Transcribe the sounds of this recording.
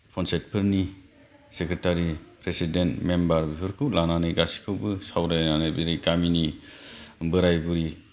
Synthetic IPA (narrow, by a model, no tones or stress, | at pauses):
pʰɔnset̚pʰɯɾni | sekɾetaɾipɾesidentmembaɾbipʰɯɾkʰɯwlananɯɡasi̥kʰɯwbɯsawɾajnanɯbiɾikamini | bɯɾajbuɾi